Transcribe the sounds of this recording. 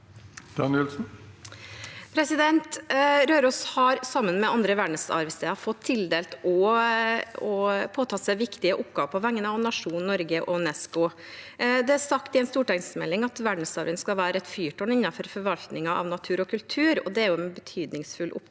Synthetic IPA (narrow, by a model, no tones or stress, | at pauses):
d̪ɑnɪlsn̩ | pʰɾɛsɪd̪ɛnt̪ɾøːɾɔshɑɾsɑmːənmɛɑnd̪ɾəʋæɖɳəsɑ̰ɾʋəst̪eːɑfɔt̪ʰːɪld̪eːlt̪ɔ | ɔpʰoːt̪ʰɑːsæɪʋɪkt̪ɪəʔʊpɡ̥ɑːʋəpʰɔʋæŋːənəɑʋnɑʂuːnnɔɾɡəʔɔnɛskʊ | d̪ɛæsɑkt̪ɪɛnst̪uːʈæɪŋsmɛlːɪŋɑt̪ʋæɖɳəsɑɾʋənskɑlʋæːɾəɛt̪fyːʈɔnɪnːɑfɔɾfɔɾʋɑlt̪nɪŋɑʔɑ̰ʋnɑt̪ʰʉːɾɔkʰʉlt̪ʰʉːɾɔ̰d̪ɛæɾjʊɛnbət̪ʰyːd̪nɪŋsfʉlʔʊ̰p